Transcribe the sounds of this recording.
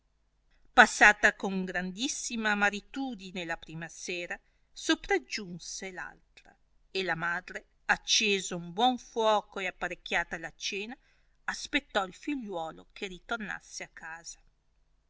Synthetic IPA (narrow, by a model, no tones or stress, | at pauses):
pasːaːt̪akoŋɡɾand̪isːimamaɾit̪uːd̪inelapɾiːmaseːɾa | sopɾad͡ʒunsela̰lt̪ɾa̰ | elamaːd̪ɾe | at͡ʃːeːzaumbwɔɱfwɔːkoeapːaɾek̟ːjaːt̪alat͡ʃeːnaː | spet̪ːɔilfiʎːwɔːlokʰeɾit̪orna̰sːeakːaːz̥a